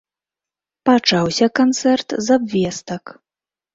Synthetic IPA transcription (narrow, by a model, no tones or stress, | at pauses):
pat͡ʂawsʲɐkant̪sɛrt̪zabvʲɛst̪ɐk